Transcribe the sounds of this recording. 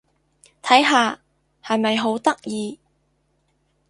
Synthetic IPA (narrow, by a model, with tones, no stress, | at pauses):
t̪ʰɐ˨˥jɦaː˨˧ | hɐ˨jmɐ˨jɦo˨˥wt̪ɐ˥k̚jiː˨˧